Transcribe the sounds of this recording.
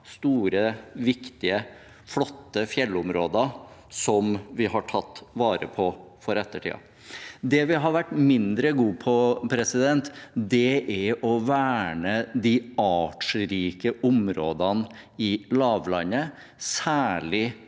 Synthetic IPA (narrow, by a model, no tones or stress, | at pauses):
st̪uːɾəʋɪkt̪ɪə | flɔt̪ːəfjɛlːʊmɾoːd̪əsɔmʋɪɦɑʈʰɑt̪ːʋɑːɾə̰pʰɔfɔɾɛt̪ːəʈʰḭːɑ̰ | d̪ɛʋɪɦɑɾʋæʈːmɪnd̪ɾəɡuːpʰɔpʰɾɛsɪd̪ɛnt̪d̪ɛʔæɾɔʋæːɳəd̪iɑːʈʂɾiːkəʔʊmɾo̰ːd̪ɑn | ɪlɑːʋlɑnə | sæːɭɪ